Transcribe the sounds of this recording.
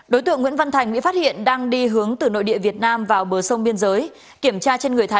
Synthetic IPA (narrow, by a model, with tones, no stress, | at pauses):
ɗo˨˦jt̪ɨ̰˧˨əŋwḭ˧˥ənvə˧nt̪ʰa˨˩jŋ̟ɓḭ˧˥fa˦˥t̚hḭ˧˨ənɗaː˧ŋɗi˧ɦɨ˨˦əŋt̪ɨ˨˩no̰˧˨jɗḭ˧˨əvi˨˩ət̚naː˧mvaː˨˩wɓəː˨˩sə˧wŋ͡mɓi˧ənzəː˨˦j | ki˧˩əmt͡ɕaː˧t͡ɕe˧nŋɨ˨˩əjt̪ʰa˨˦